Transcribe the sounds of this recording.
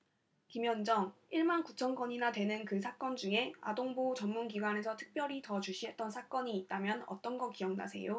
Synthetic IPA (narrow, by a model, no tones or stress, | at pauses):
kimjʌnd͡ʑʌŋiɭmankut͡ɕʰʌnkʌɲinadwe̞nɯnkɯsʰak͈ʌnd͡ʑuŋe̞a̰doŋbot͡ɕʌnmunɡiɡwane̞sʰʌtʰɯ̥k̚p͈jʌɾitʌt͡ɕuɕʰiɦe̞t̚t͈ʌnsʰak͈ʌɲiːt̚t͈amjʌnʌ̰t͈ʌnɡʌk͈ijʌŋna̰sʰe̞̰jo